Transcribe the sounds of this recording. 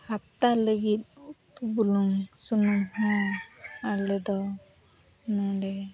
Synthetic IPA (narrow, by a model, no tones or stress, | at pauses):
hat̪aləɡit̪̚ˀpubuluŋsunuŋhɔ̃ | alɛd̪ɔ | nɔ̃ɖɛ